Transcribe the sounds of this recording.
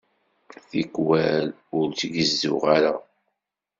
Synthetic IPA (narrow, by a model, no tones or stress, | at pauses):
θikwæl | ʊɾt͡sɡəzːʊʁaɾa